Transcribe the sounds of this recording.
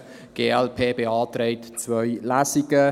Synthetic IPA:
ɡ̥eːɛlpʰeːbeɑːtɾeɪtt͡svœjlasiɡə

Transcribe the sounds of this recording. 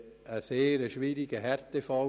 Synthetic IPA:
əseːɾəʃʋiːɾiɡ̥əɦɛɾt̪efɑl

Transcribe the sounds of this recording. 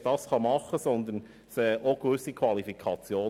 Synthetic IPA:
d̥ɑsχɑmɑχəsɔnd̪ən | sɛʔoɡ̥ʋʏsikʰwɑlifikʰɑt͡sjoː

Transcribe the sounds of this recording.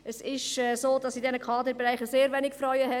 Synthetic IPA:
əsɪʃɛsoːd̥ɑsidɛnəkʰɑːd̪əɾbɛɾaɪχəseːɾʋɛnɪkfrɔʏəhɛ

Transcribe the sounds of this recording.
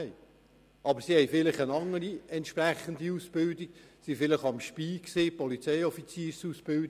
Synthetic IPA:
ɛj | ʔɑbəɾsihɛjfɪlɪχənɑŋəɾiɛnt̪ʃpræχənd̪iuːsb̥ɪldiksifɪlɪχɑmʃpiːksɪːpɔlit͡sɛjɔfit͡siːɾsuːsb̥ɪld

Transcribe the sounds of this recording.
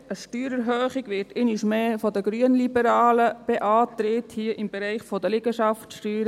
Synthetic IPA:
əʃtyːɾəɾɦøːχiɡʋɪɾtʰeniʃmeːfɔd̪əɡɾyənlibəɾɑːləb̥eʔɑːt̪ɾɪthiəʔɪmbɛɾɛɪχfɔd̪əlɪɡəʃɑftʃtyːɾə

